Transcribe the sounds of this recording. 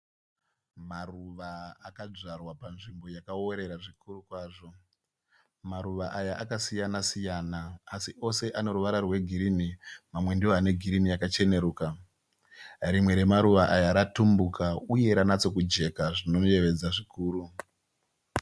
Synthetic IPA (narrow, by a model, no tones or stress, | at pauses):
maruʋaːkad͡ʐarwapanʐimbo̞jakao̞ɾe̞ɾaʐikurukwaːʐo̞ | maɾuʋaʔajaʔakasijanasijanaːsiʔo̞se̞ʔane̞ɾuʋaɾarwe̞ɡʱiɾimimamwe̞ndioane̞ɡʱiɾimijakat͡ʃe̞ne̞ɾuːka | ɾimwe̞ɾe̞maɾuʋaʔajaɾatumbukʰauje̞ɾanat͡so̞kud͡ʒe̞kaʐino̞nje̞ʋe̞d͡zaʐikuːɾu